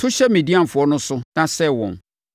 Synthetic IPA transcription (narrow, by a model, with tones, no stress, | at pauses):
tʰʊ˦ɕɛ˦mĩ˨di˦ã˦m̩˨fʊ˨ɔ˦nʊ̃˦sʊ˦nã˦sɛ˦wɔ̰̃˨n